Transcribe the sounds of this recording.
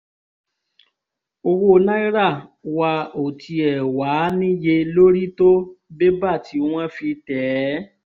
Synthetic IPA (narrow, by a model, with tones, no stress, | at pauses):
o˧wo˦˧nã˦i˦ɾa˦˨wa˧o˨tʰi˧ɛ˨wa˨˦nĩ˦je˧lo˦ɾi˦to˦be˦ba˦˨ti˨˦w̃ã˦fi˧tɛ˨˦